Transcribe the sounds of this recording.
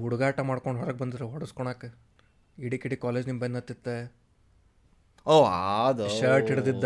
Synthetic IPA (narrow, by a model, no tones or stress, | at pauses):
uɽuɡaːʈɐmaːɽkoɳɖɦɔɾɐɡ̚bɐnd̪id̪ɾeɦɔɽɐskɔɳaːke | iɽikiɽikaːleːd͡ʒnimbɐjnːɐt̪ːit̪ːe | oːad̪ʃɐːɾʈɦiɽd̪id̪ː